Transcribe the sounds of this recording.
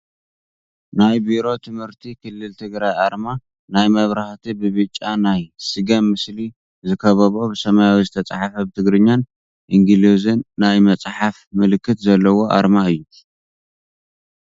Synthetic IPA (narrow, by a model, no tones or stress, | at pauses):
najbiɾo̞t̪ʰɨmhɨɾt̪ʰikʰɨlːɨlt̪ʰɨɡɾajaɾma | najmɐβɾaht̪ʰibɨβɨt͡ʃʼːanajsɨɡɐmːɨsli | zɨkʰɐβɐβo̞bɨsɐmajawizɨt̪ʰɐt͡sʼaħafɐbɨt̪ʰɨɡɾɨɲːan | ʔiŋɡilizɨnːajmɐt͡sʼħafmɨlɨkʰːɨt̪zɐlːɐwo̞ʔa̰ɾmaɨjːu